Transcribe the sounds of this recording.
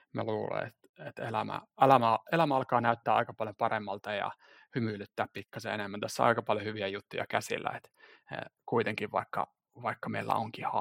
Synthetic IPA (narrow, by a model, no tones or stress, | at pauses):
mæ̰luːlḛḛt̪ | et̪elæ̰mæ̰elæmæelæmæɑlkɑːnæyt̪ːæːɑ̰ikɑpɑljopɑremːɑlt̪ɑjɑ̰ | hymylyt̪ːæːppikːɑsḛenemːænt̪æsːæɑ̰ikɑpɑljohyʋiæjut̪ːujɑkæsḭlːæ̰et̪ḛkuit̪eŋkiʋʋɑ̰ikːɑ̰ | ʋɑikːɑmeilːæ̰oŋkihɑ